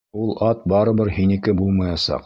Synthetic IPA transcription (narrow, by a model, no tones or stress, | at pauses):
ulˠɑt̪̚bɑɾɤ̆bɘɾhinĭkɘbulˠmɑjɑsɑ̰q